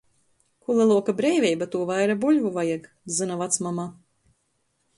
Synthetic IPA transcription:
kulˠɛlˠuɔkabɾɛjvʲɛjbat̪uɔvajɾabuʎʲvuvajak | zɨnavat̪smama

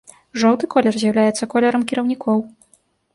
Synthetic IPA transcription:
ʐɔwt̪ɨkɔlʲɛrzʲjawlʲajɛt̪sːɐkɔlʲɛɾɐmkʲiɾɐwnʲikʰɔw

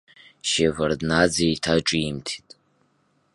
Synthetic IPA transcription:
ʃevardnad͡zeitʰaʈ͡ʂʼiimtʰi̥tʼ

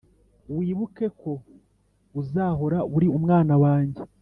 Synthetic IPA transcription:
wiːβuke̞ko̞ | uzaːɦo̞ɾaβuɾiumŋaːnawaːɲɟe

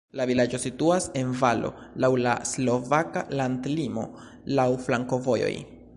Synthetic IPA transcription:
lavilad͡ʒo̞situase̞nvalo̞̰lawlaslo̞vakalandlimo̞̰ | lawflaŋko̞vo̞jo̰j

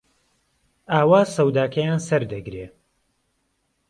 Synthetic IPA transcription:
aːwaːsɐwd̪aːkʰɐjaːnsɐɾd̪ɐɡɾeː

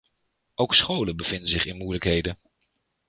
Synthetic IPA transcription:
owksχowlənbəv̥ɪndənzɪχɪnmujləkɦejdən

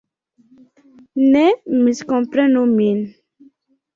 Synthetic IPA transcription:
nɛmiskɔ̃pɾɛ̃nomin

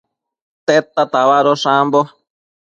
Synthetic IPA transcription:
t̪et̪ːat̪aβaɾoʂãmbo

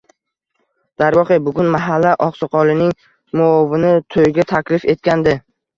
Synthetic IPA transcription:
d̪̥aɾvɒqebʊɡʲʊnmaɦalːaʔɒqsɨqʰɒlɪnɪŋ | mʊɒvɪnɪt̪ʰojɪɡʲat̪ʰakʲlɪfe̞t̪kʲand̪ɪ

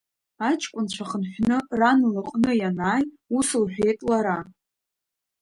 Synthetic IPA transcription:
at͡ʃʼkʷʼʊnt͡ɕʷʰaχənħʷᶣnɨranlɨqʼnɨjanaːj | usɨlħᶣejtʼlaɾa

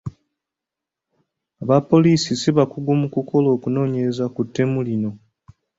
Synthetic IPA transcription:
aβapːo̞liːsisiβakuɡumukuko̞lo̞ːkuno̞ːɲe̞ɾe̞zakutːe̞mulino̞

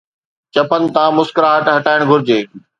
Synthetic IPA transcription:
t͡ɕɐpənɪ̆t̪ãːmʊskɾaɦɐʈɦɐʈaːɪɽ̃ɡʱʊɾɪd͡ʑeː

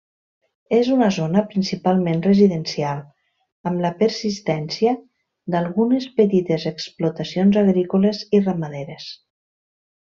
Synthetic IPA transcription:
ezunəzonəpɾinsipalˠmẽnrəziðənsialˠ | əmləpəɾsist̪ɛnsiə | d̪alˠɣunəspət̪it̪ezeksplut̪asionzaɣɾikulezirəmaðeɾes

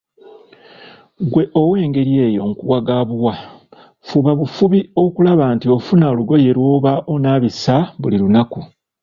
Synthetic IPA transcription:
ɡwe̞ʔo̞we̞ːŋɡe̞ɾje̞ːjo̞ŋkuwaɡaːβuwa | fuβaβufuβio̞kulaβaːntio̞funaoluɡo̞je̞ɾwo̞ːβaʔo̞naːβisaβuliɾunaku

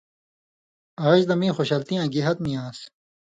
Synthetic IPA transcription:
aːɕd̪ɐmĩːxoɕalt̪ijãːɡeɦɐt̪nijãːs

